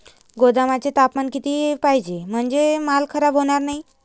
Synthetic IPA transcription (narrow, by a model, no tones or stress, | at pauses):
ɡod̪amat͡ɕet̪apmankit̪iːpaɦjd͡ʑem̤əɳd͡zemalkʰəɾabɦoɽ̃aɾnai